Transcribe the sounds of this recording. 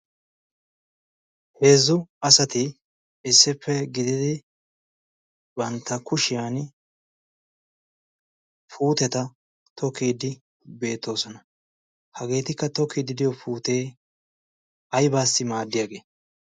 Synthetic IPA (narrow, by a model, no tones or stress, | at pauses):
he̞ːzːʊɐsɐt̪ɪː | sːɪpːɛɡɪd̪ɪd̪ɪ | bɐnt̪ːɐkʊʃɪjaːn | fuːt̪ɛt̪ɐ | t̪ʰɔkːiːd̪ɪ | be̞ːt̪ːo̞ːsɔnɐ | hɐɡe̞ːt̪ɪkːɐt̪ɔkːiːd̪ɪd̪ɪjɔfuːt̪e̞ː | ɐjbaːsːɪmaːd̪ːɪjaːɡe̞ː